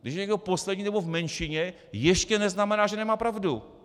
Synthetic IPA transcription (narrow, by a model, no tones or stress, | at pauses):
ɡdɪʃjɛɲɛɡdoposlɛdɲiːnɛbovmɛnʃɪɲɛ | jɛʃcɛnɛznamɛnaːʒɛnɛmaːpɾavdu